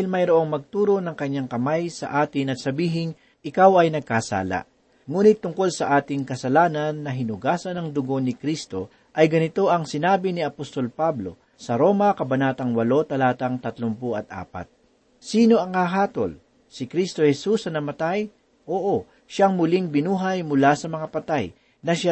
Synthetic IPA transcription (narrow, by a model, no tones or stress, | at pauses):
aɪlmɐjɾoʔo̞ŋmɐɡ̚t̪uːɾo̞nɐŋkɐɲːaŋkɐmajsɐ̰ʔaːt̪ɪnɐt̪̚sɐbiːɦɪŋ | ʔɪkawɐjnɐɡ̚kasa̰ːla̰ | ŋuːnɪt̪ːʊŋko̞lsɐʔaːt̪ɪŋkɐsɐlaːnɐnːɐɦɪnʊɡaːsɐnɐŋd̪ʊɡo̞nɪkɾist̪o̞ | ʔɐjɡɐnɪt̪o̞ʔɐŋsɪnaːbɪnɪɐpost̪o̞lpablo̞̰ | sɐɾo̞ːmɐkɐbɐnaːt̪ɐŋwɐlo̞t̪ɐlaːt̪ɐŋt̪ɐt̪lompʊɐt̪̚ʔa̰ːpɐ̰t̪̚ | siːno̞ʔɐŋhaɦaːt̪o̞̰l | sɪkɾist̪o̞hɛsusɐnɐmɐt̪aj | ʔoːʔo | ʃaŋmʊliŋbɪnuːɦɐjmʊlasɐmɐŋapɐt̪aj | nɐʃa